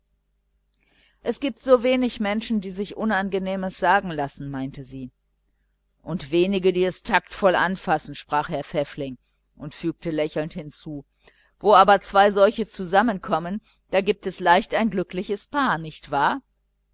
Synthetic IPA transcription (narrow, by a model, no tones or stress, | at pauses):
ʔɛsɡ̥iːp̚tz̥oːveːnɪçmɛnʃn̩diːzɪçʔʊnanɡəneːməsz̥aːɡŋ̩lasn̩maɪntəziː | ʔʊntv̥eːnɪɡədiːɛstʰaktfɔlʔa̰nfasn̩ʃpʁ̥aːχɦɛɐfɛflɪŋ | ʔʊntfyːk̚təlɛçl̩nthɪnt͡suː | voːaːbɐt͡sv̥aɪzɔlçət͡suzamənkʰɔmən | d̥aːɡiːp̚tɛslaɪçtaɪnɡlʏklɪçəspʰaːɐnɪçtv̥aːɐ